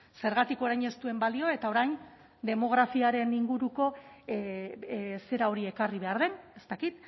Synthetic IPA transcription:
se̞ɾɣ̞at̪iko̞ɾajɲe̞st̪ue̞mbalio̞e̞t̪ao̞ɾajn | d̪e̞mo̞ɣ̞ɾafiaɾe̞niŋɡuɾuko̞ | se̞ɾao̞ɾie̞kariβe̞aɾðe̞ne̞st̪akit̪

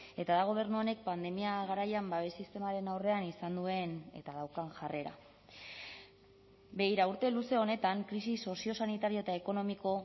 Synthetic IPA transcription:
e̞t̪aðaɣ̞o̞β̞e̞ɾnuo̞ne̞k̚pand̪e̞miaɣaɾajambaβ̞e̞sist̪e̞maɾe̞nawre̞anisand̪ue̞ne̞̰t̪aðawkaŋʝare̞ɾa̰ | be̞ɣiɾauɾt̪e̞luse̞o̞ne̞t̪aŋkɾisiso̞sio̞sanit̪aɾio̞e̞t̪aeko̞no̞miko̞

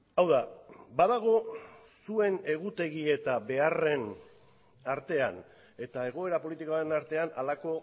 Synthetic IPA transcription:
awðabaðaɣ̞o̞ | sue̞ne̞ɣ̞ut̪e̞ɣie̞t̪aβe̞are̞n | aɾt̪e̞an | e̞t̪ae̞ɣ̞o̞e̞ɾapo̞lit̪ikoaɾenaɾt̪e̞analako̞

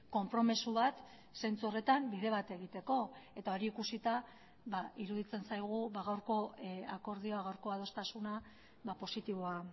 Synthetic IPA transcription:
ko̞mpɾo̞misuβat̪ | se̞nt͡suore̞t̪ambiðe̞β̞at̪e̞ɣ̞it̪e̞ko̞e̞t̪ao̞ɾiːkusit̪a | βaiɾuðit͡se̞nsajɣ̞uβaɣawɾko̞ako̞ɾð̞io̞aɣawɾko̞aðo̞st̪asuna | βapo̞sit̪iβo̞a

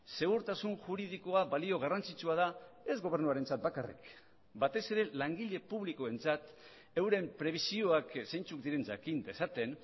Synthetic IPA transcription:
se̞ɣ̞uɾt̪asunʝuɾið̞iko̞abalio̞ɣ̞arant͡sit͡ʃuað̞ae̞zɣo̞β̞e̞ɾnuaɾe̞nt͡sat̪̚bakarḭk | bat̪e̞se̞ɾe̞laŋɡiʎe̞puβliko̞e̞nt͡sat̪ | e̞wɾe̞mpɾe̞β̞isio̞aksejnt͡suk̚d̪iɾe̞nd͡ʒa̰kind̪esat̪e̞n

